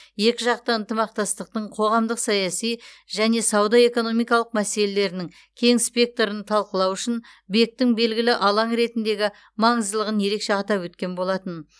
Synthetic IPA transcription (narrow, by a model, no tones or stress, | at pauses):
je̞kʲɪʒɑq̚t̪əənt̪əmɑq̚t̪ɑst̪əq̚t̪əɴqʰo̞ʁɑmd̪əqsɑjɑsijʒæne̞sɑwd̪ɑe̞ko̞no̞mijkɑlˠəqmæse̞le̞le̞ɾɪnɪŋ | kʲʰe̞ŋspʲe̞k̚t̪oɾənt̪ʰɑlˠqəlˠɑwʏʃɪn | be̞k̚t̪ɪŋbe̞lɡʲɪlɪʔɑlˠɑɴɾe̞t̪ɪnd̪e̞ɡʲɪ | mɑɴəzd̪əlˠəʁənje̞ɾe̞kʃe̞ɑt̪ɑpwɵt̪kʲe̞nbo̞lˠɑt̪ən